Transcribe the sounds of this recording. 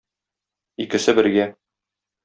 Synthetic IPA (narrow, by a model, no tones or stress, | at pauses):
ikɘ̆sɘbɘ̆ɾɡæ